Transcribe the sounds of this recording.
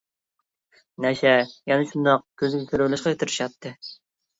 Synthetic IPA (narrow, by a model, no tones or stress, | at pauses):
nɛʃɛjɛnɛʃund̪ɑq̚kʲʰøzɪɡʲɛkʲʰøɾwlˠɪʃqɑkʲet̪ʰɪɾɪʃɑt̪ʰːɨ